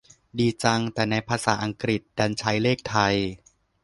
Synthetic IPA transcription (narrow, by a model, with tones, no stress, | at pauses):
diː˧t͡ɕa˧ŋt̪ɛː˨˩na˧jpʰaː˧saː˩˦ʔa˧ŋkɾi˨˩t̪̚daː˧nt͡ɕʰa˦˥jleː˥˩k̚t̪ʰa˧j